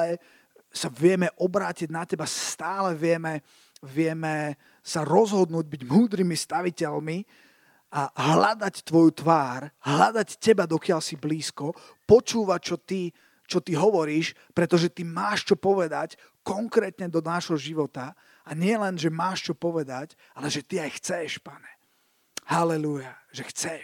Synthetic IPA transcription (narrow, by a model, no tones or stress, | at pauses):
ɛ | saʋɪɛmɛʔɔbɾaːciɟnacɛbast̪aːlɛʋɪɛmɛ | ʋɪɛmɛ | saɾɔzɦɔd̪nuːɟ̚biɟmuːd̪ɾimist̪aʋicɛlmi | aɦlad̪act̪ʋɔjut̪ʋaːɾɦlad̪accɛbad̪ɔkɪaʎsibliːskɔ | pɔt͡ʃuːʋact͡ʃɔt̪i | t͡ʃɔt̪iɦɔʋɔɾiːʃ | pɾɛt̪ɔʒɛt̪imaːʃt͡ʃɔpɔʋɛd̪ac | kɔŋkɾɛːt̪ɲɛd̪ɔnaʒɦɔʒiʋɔt̪a | aɲɪɛlɛnʒɛmaːʃt͡ʃɔpɔʋɛd̪ac | alɛʒɛt̪iajxt͡sɛʃpaɲɛ | halɛlujaʒɛxt͡sɛʃ